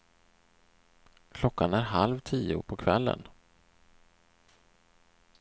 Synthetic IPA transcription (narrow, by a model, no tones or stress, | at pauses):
kʰlɔkːanæɾɦalvt̪ʰiːʊpʰɔkʰvɛlːə̰n